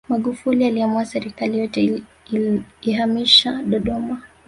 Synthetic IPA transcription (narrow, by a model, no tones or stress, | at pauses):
maɠufulialiamuasɛɾikalijɔtɛ | iːhamiʃaɗɔɗɔma